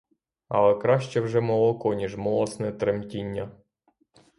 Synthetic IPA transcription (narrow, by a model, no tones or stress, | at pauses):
ɐ̰lˠɛkɾɑʃt͡ʃɛwʒɛmɔlˠɔkɔnʲiʒmɔlˠɔsnɛt̪ɾemtʲinʲːɐ